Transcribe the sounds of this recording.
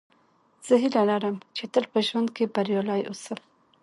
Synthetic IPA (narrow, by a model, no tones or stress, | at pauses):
z̥əɦilalaɾəmt͡ʃet̪əlpəʒwand̪̚kebaɾjɑlɑjʔosəm